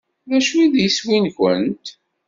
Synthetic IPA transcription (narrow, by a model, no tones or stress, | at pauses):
ðæʃuiðjiswinkə̰nt̪